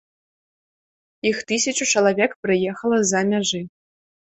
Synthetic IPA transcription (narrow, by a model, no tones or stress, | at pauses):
ixt̪ɨsʲɐt͡ʃʼut͡ʃɐlˠɐvʲɛkprɨjɛxɐlˠɐzamʲaʒɨ